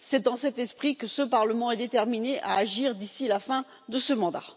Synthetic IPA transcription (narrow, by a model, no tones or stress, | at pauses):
sɛd̪ɑ̃sɛt̪ɛspχikəsəpaʁləmɑ̃ɛd̪et̪ɛʁmineʔa̰ːʒiʁd̪isilafɛ̃ | d̪əsəmɑ̃d̪a̰